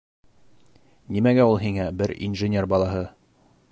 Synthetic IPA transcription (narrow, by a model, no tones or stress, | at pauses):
nimæɡæulˠɦiŋæbɘɾḭnʒɘ̆nʲe̞rbɒlˠɑɦɤ